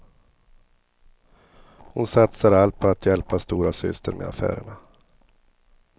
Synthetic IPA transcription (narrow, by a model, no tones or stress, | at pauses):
hʊnsat̪səɾalt̪̚pʰɔat̪ʰjɛlpast̪uːɾasʏ̰st̪ʰəɾmḛa̰fæ̰ːɾə̰ɳa